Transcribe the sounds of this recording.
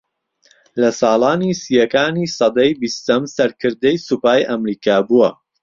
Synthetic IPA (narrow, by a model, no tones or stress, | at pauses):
lɐsɑːlˠaːnisijɐkaːniːsɑd̪ɐjbist̪ɐmsɐɾkʰɨɾd̪ɐjsupaːjʔɐmɾiːkʰaːbuwɐ